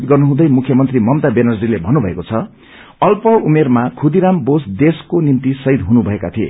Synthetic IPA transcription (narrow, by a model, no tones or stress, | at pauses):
d̪ɡʌrnuɦũd̪ʌjmukʰjʌmʌnt̪rimʌmt̪abenʌrd͡zilebʱʌnubʱʌekot͡sʰʌ | ʌlpʌumermakʰud̪iɾambosd̪eskonimt̪isʌɦid̪ɦunubʱʌekat̪ʰiḛ